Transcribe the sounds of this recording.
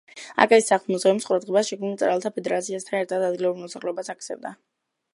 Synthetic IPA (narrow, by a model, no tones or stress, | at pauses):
a̰kʼaissaχlmɔzʁɛmsqʼuɾad̪ʁɛbasʃɛkʰmnilt̪sʼɾalˠt̪ʰapʰɛd̪ɛɾat̪sʰiast̪ʰanɛɾt̪ʰad̪ad̪ɡilɛbɾiɾmɔsaχlɛɔbasak̚t̪sʰɛ̰vd̪a